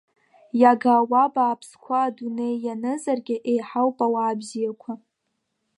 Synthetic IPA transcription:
jaɡawabaːpʰskʷʰaːdune̞jːanɨzarɡʲɪʔejħawpʼawaːbzijakʷʰa

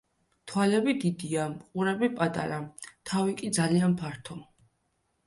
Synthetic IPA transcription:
t̪ʰwalɛbid̪id̪iaqʼuɾɛbipʼat̪ʼa̰ɾat̪ʰavikʼid̪zalianpʰaɾt̪ʰɔ

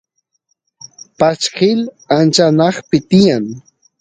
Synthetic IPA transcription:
pat͡ʃkɪl | ant͡ʃanɑχpɪt̪ɪjaŋ

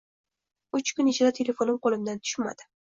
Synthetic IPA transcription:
ʊt͡ʃkʰʊnet͡ʃʰɪd̪at̪ʰe̞le̞fo̞nɪmqʰolˠɪmd̪ant̪ʰʊ̥ʃma̰d̪̥ɪ̥

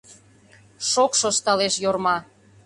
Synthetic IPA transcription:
ʃokʃost̪ɑleʃjormɑ

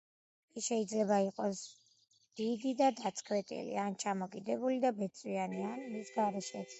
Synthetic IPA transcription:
kʼiʃɛid̪zlɛbaiqʼɔs | d̪̥id̪id̪ad̪at̪sʰʼkʰwɛt̪ʼḭlḭant͡ʃʰamɔkʼid̪ɛbulid̪abɛt̪sʼwianianmisɡaɾɛʃɛ

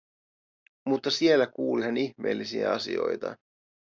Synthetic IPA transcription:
mut̪ːɑsielːækuːlihæniçme̞ːlːisiæ̰ɑsḭo̞̰jt̪ɑ̰

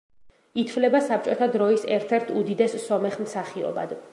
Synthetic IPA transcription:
it̪ʰvlɛbasap̚ʰt͡ʃʼɔt̪ʰad̪ɾɔisɛɾt̪ʰɛɾt̪ʰud̪id̪ɛsːɔmɛχmsaχiɔ̰ba̰d̪

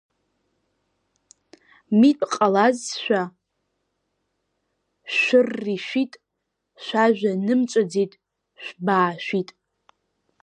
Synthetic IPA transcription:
mitʼqʼalazʃʷᶣa | ʃʷʊrːiʃʷᶣitʼ | ʃᶣʷaʒᶣʷanɨmt͡ʃʷʼad͡zitʼ | ʃʷᶣbaːʃᶣʷitʼ

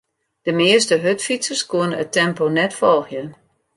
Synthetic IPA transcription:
d̥əmɪəstəɦøtfisəskuənəətɛmponɛtfɔlˠxjən

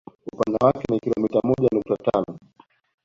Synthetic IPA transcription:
upandawakɛnikilɔmitamɔʄanuk̚tatanɔ

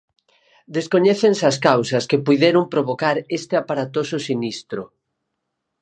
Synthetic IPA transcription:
d̪eskoɲɛθensɐskawsɐskepujðeɾʊmpɾoβokaɾest̪eapaɾat̪osʊsinist̪ɾʊ

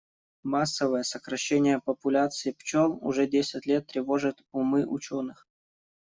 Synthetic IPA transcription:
masːəvəjəsəkɾɐɕːenʲɪjəpəpʊlʲat̪sɨɪpt͡ɕolˠʊ̰ʐɛdʲesʲɪtʲlʲet̪ːɾʲɪvo̞ʐɨt̪ʊmɨʔʊt͡ɕonɨx

